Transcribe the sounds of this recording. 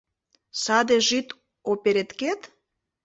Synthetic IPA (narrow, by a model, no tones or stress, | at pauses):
sɑd̪eʒit̪ | opeɾet̪ket̪